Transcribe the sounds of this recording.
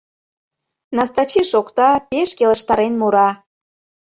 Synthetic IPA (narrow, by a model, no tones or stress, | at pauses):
nɑst̪ɑt͡ɕiʃokt̪ɑpeʃkelə̆ʃt̪ɑɾenmuɾɑ